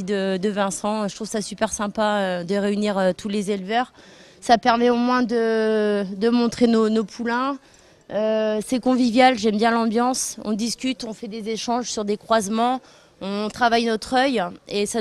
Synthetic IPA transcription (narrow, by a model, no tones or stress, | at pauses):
id̪əd̪əvɛ̃sɑ̃ʒət̪χuv̥sasypɛʁsɛ̃paød̪əʁeyniʁøt̪ʰulezelvœʁ | sapɛʁmɛomwɛ̃d̪ə | d̪əmɔ̃t̪χenonopʰulɛ̃ | øsɛkɔ̃vivjalʒɛmbjɛ̃lɑ̃bjɑ̃sɔ̰̃d̪iskʲyt̪ɔ̃fɛd̪ezeʃɑ̃ʒsyʁd̪ekχwazmɑ̃ | ɔ̃t̪χavajnɔt̪χœjesa